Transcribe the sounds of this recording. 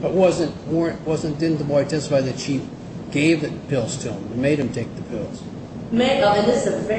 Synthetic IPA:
b̥ʌt̚wʌzɨ̃nt̚wɜ˞ɨ̃ntwʌzɨ̃nd̥ɪdⁿn̩ðəbɔɪɨtʰɛsə̥faɪd̪ðɨtʃif | ɡ̥eɪvðɨpʰɪlˠz̥tʰɨə̃mɨnmeɪɾ̚ɨ̃mtʰeɪk̚ðɨpʰɪlˠz̥ | meɨ̃ðɪsɨfɛ

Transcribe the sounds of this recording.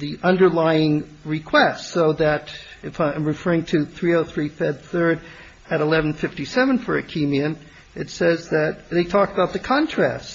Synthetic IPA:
ðiʔʌ̃ndə˞laɪɪ̃ŋɹɨkʰw̥ɛstsoʊðɨɾɨfaãɪ̃mɹɨfɜ˞ɪ̃ŋtʰɨθɹioʊθɹifɛd̪̚θɜ˞ɾ | ɨɾəlɛvn̩fɪftisɛvə̃n̩fə˞ɨkʰimiɨ̃m | ɨtsɛzðɨt̪̚ðeɪtʰɔkəbaʊt̪̚ðɨkʰɑ̃ntʰɹ̥æ̰st

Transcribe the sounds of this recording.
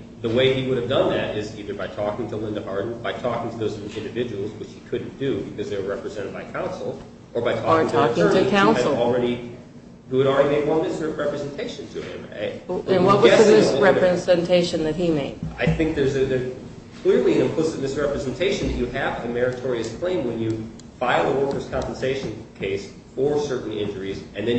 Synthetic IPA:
ðəweɪiwʊɾɨvdʌ̃nðɨɾɪziðə˞baɪtʰɔkɪ̃ŋtʰəlɪ̃ndəhɑɹdⁿn̩baɪtʰɔkɪ̃ŋtʰɨðoʊzɪ̃ndɨvɪd͡ʒəwl̩ˠzwɨt͡ʃhikʰʊdⁿn̩d̥ɨbɨkʰʌzðeɹɛpɹɨzɛ̃ɾ̃ɨd̚baɪkʰãʊ̃nsl̩ˠ | ʔə˞baɪtʰɔəŋtʰɔkɪ̃˞tʰɨkʰãʊ̃nɨl̩ˠl̩ˠɹɛɾi | huɨɾl̩ˠɹɛɾimeɪd̚wʌ̃ɪsɛɹɛpɹɨzɛ̃ntʰeɪʃɨ̃n̩tʰɨ̰ɪ̰̃m̰ɨ̃nwʌt̚wʌzɛsɨmɪsɹɛpɹɨzɨ̃ntʰeɪʃɨ̃nðɨt̚himeɪd̥aɪθɪ̃ŋk̚ðə˞zɨɨ | kʰl̥ɪɹliɨ̃nɨ̃pʰoʊsɨmɪsɹɛpɹɨzɨ̃n̩tʰeɪʃɨ̃n̩ðɨt͡ʃɨɨvɨmɛɹɨtʰɔɹiɨskʰl̥ẽɪ̃mwə̃njɨ | faɪlˠəwɜ˞kə˞z̥kʰɑ̃mpn̩seɪʃɨ̃nkʰeɪs | fə˞sɜ˞ʔn̩ɪ̰̃nd͡ʒə˞izɨ̃nðɨ̃n

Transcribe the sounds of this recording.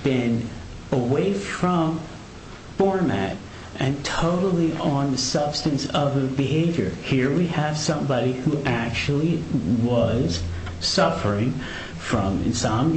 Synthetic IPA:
b̥ɪ̃n | əweɪfɹʌ̃m | fɔɹmæ̰ɾ | ʔɨ̃ntʰoʊɾl̩ˠiʔə̃nðɨsʌb̥stɨ̃nsʌvɨbɨɦeɪvjə̰˞hiɹwiɨv̥sʌ̃mbɑɾihuʔæk̚t͡ʃul̩ˠiwʌz̥ | sʌfə˞ɪ̃ŋ | fɹʌ̃mɨ̰̃nsãɪ̃m̃

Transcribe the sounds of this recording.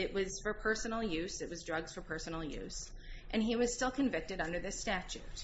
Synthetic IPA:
ɪʔ̚wʌz̥fə˞pʰɜ˞snl̩ˠjʉsɨtʔ̚wʌzdɹʌɡz̥fə˞pʰɜ˞sn̩l̩ˠjʉ̰s | ʔɨ̃niwʌz̥stɪlˠkʰɨ̃ɱvɪk̚tɨɾʌ̃ndə˞ðɪstæt͡ʃʉ̰t̚

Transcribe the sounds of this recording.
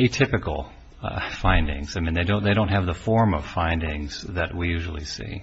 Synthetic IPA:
etʰɪpɨkl̩ˠ | fãɪ̃ndɪ̰̃ŋz̥aɪmĩnðeɪdõʊ̃nðeɪɾõʊ̃ntɦɨvðəfɔɹmʌ̰v̥fãɪ̃ndɪ̃ŋz̥ðɨt̚wijʉʒl̩ˠḭsḭ

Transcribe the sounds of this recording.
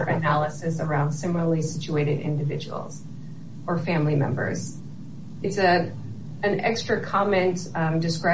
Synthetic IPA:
ʔɨnælˠəsɨsə˞ãʊ̃nd̥sɪ̃ml̩ˠəl̩ˠisɪt͡ʃueɪɾɨɾɪ̰̃ndɨvɪ̰d͡ʒɨ̰w̰l̩ˠz̥ | ə˞fæ̃mlimɛ̰̃mbə̰˞z̥ | ɨtsɨ | ɨ̃nɛ̰kstɹ̥ɨkʰɑmɛ̃ntdɨskɹa

